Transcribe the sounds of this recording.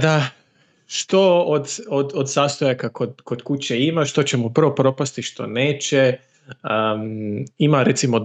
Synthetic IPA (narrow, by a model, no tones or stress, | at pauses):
d̪a | ʃt̪o̞od̪od̪od̪saːst̪ojakakod̪ko̞d̪kut͡ɕeimaʃt̪o̞t͡ɕemupr̩ʋo̞pɾo̞past̪iʃt̪o̞̰neːt͡ɕe | ə | imaɾet̪simo